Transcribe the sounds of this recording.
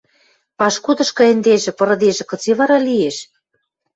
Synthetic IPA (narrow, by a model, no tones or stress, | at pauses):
pɑʃkud̪ɤ̆ʃkɤ̆ĕnd̪eʒĕpɤ̆ɾɤ̆d̪eʒĕkɤ̆t͡siβɑɾɑlieʃ